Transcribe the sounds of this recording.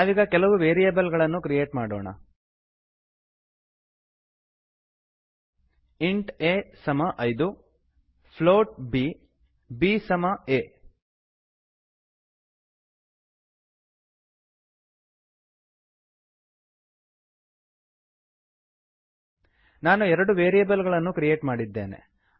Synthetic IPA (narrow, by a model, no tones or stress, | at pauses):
aːʋiːɡɐkɛlɐʋuʋeːɾijɐbɐlɡɐɭɐnːukɾijeːʈmaːɽo̰ːɳɐ̰ | iɳʈeːsɐmɐʔɐjd̪u | pʰloːʈ̚bi | biːsɐmɐeː | naːnuɛɾɐɽuʋeːɾijɐbɐlɡɐɭɐnːukɾije̞ːʈmaːɽid̪ːe̞̰ːnḛ